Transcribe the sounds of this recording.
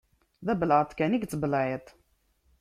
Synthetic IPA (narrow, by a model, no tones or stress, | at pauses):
ðæbəlʕət̪ˤkæniɡt͡sːbəlʕet̪ˤ